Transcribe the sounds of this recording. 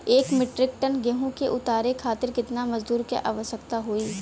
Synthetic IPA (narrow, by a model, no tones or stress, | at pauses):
eːkmɪʈɾɪk̚ʈənɡeɦõkeʔʊt̪aːɾekʰaːt̪ɪɾkɪt̪namɐzd̪uːɾkḛʔa̰ːʋəʃəkt̪aɦoːiː